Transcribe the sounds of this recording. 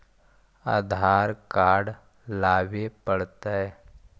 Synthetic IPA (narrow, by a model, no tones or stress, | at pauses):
a̰ːd̪ʱaːɾkaːɖ | laːʋepəɽt̪aɛ